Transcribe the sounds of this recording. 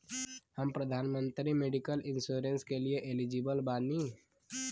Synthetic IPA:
həmpɾəd̪ʱaːnmə̃nt̪ɾimeɖikəlɪ̃nsuːɾẽnskelieʔelid͡ʒibəlbaːni

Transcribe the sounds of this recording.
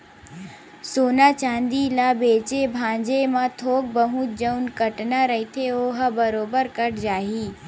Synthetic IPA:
soːnat͡ʃãːnd̪ilabeːt͡ʃebʱãːɲd͡ʒemãt̪ʰoːk̚bəɦũt̪d͡ʒəʊnkəʈnaɾɐɦit̪ʰeoːɦəbəɾoːbəɾkəʈd͡ʒaːɦiː

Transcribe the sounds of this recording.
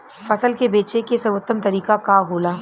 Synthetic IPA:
fɐsəlkebeːt͡ʃekesəɾwət̪ːəmt̪ɐɾiːkakaɦoːlaː

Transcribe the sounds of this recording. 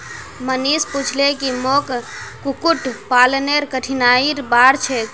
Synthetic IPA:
mənisput͡ʃʰlekimokkukuʈpalneɾkəʈʰinaiɾbaɾt͡ʃʰɛ

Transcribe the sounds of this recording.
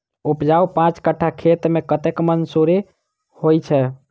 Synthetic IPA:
upd͡ʒaupãt͡ʃkəʈʰakʰet̪mekət̪ekmənsoɾe | hojt͡ʃʰɛ

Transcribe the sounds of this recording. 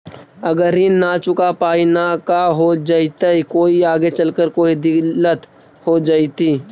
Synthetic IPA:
ɐɡəɾɦinat͡ʃʊkapaːinakaɦod͡ʒaːit̪aikoːiaːɡet͡ʃəlkəɾkoːid̪ɪɡlət̪ | hod͡ʒaːit̪iː

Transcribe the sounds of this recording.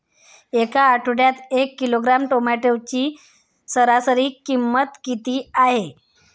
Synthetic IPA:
ekaːʈʰuɽjat̪ekːiloɡɾamʈomaʈewt͡ɕiː | səɾasəɾiːkːimːət̪kit̪iːaɦe

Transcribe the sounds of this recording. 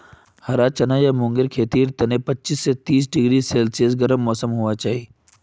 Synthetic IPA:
hɐɾat͡ʃɐnajamʊ̃ŋɡɪɾkʰeːt̪iːɾt̪ɐnẽpɐtːt͡ʃisːet̪iːs̬ɖɪɡɾiseːlses̬ɡɐɾəmːɔːsəmɦuat͡ʃaːɦi

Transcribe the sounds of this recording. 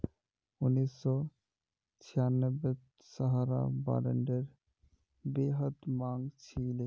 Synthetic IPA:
unːisːɔ | t͡ɕʰijanːɔbe | saɦaɾa̰ba̰ɾḛɳɖeɾ | beɦət̪maŋt͡ɕʰile

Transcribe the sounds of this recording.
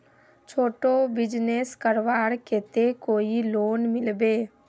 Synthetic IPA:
t͡ʃʰoːʈobɪd͡ʒneskəɾʋaːɽkeːt̪ekoːiloːnmɪlbeː

